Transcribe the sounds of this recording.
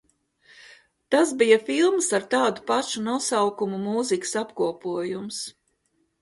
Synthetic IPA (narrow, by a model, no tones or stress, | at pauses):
t̪asbijafilˠmsaɾt̪ɑːd̪upaʃunusawkumumuːzikə̥sapkuɔpuɔjums